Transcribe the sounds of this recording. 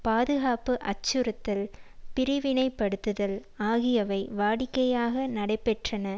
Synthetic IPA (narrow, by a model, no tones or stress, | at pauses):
paːðɯɣaːpɯʔɐt͡ʃːɯɾɯt̪ːɪlpɪɾɪʋɪnɐɪpːɐɽɯt̪ːɯðɐl | aːɣɪjɐʋɐɪʋaːɽɪkːɐjaːɣɐnɐɽɐɪpːɛʈrɐnɐ